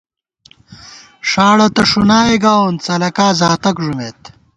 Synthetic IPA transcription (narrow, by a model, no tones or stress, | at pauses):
ʂaːɽɐt̪ɐʂunaːeɡaːunt͡sɐlɐkaːzaːt̪ɐkʐumeːt̪